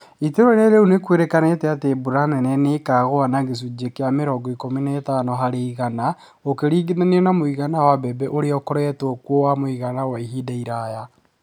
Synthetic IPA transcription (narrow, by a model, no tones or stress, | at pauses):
iteɾɔɾɛɾeunekweɾekanetɛatebuɾanɛnɛnekaɣoanaɣes̬ud͡ʒekeameɾɔɡɔikominaetaːnɔɦaɾeiɣana | okeɾiːɡenaneɔnamoiɣanawabɛbɛʔoɾeɔkɔɾɛɛtokwowamoiɣanawaiɦidaiɾaja